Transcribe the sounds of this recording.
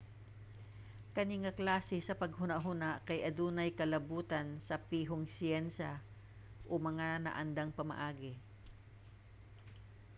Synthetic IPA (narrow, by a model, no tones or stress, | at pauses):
kɐniŋaklaːsɪsɐpɐɡhʊnaʔɦʊnaʔkɐjʔɐd̪uːnɐjkɐlɐbuːt̪ɐnsɐpiːɦoŋsɪɛnsa | ʔomɐŋanɐ̰ʔɐnd̪aŋpɐmɐ̰ʔaːɡɛ